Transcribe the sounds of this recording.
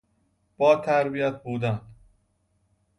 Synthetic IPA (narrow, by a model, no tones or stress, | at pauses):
b̥ɒːt̪ʰæɾbijæt̪̚ʰbuːd̪æn